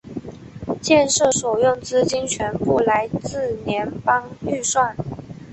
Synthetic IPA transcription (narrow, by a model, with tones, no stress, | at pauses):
t͡ɕjɛ˥˧nʂɤ˥˩swɔ˨˩jʊ˥˩ŋt͡sɹ̩˥t͡ɕi˥nt͡ɕʰɥɛ˧˥npu˥˩la˧˥ɪt͡sɹ̩˥˩njɛ˧˥npɑ˥ŋy˥˧swa˥˩n